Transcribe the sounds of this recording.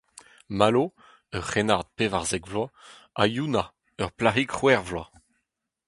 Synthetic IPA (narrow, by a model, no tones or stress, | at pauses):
malo | œʁχenaʁd̪̚pevaʁzɛɡvlwa | a̰juna | œʁplaʁikχwɛʁvlwa